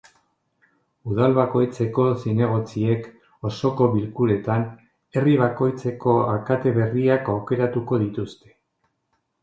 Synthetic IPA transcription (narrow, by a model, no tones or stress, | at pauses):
uðalβako̞jt͡se̞ko̞sine̞ɣ̞o̞t͡sie̞k | o̞so̞ko̞βilkuɾe̞t̪an | e̞riβ̞ako̞jt͡se̞ko̞akat̪e̞βe̞riakawke̞ɾat̪uko̞ðit̪ust̪e̞̥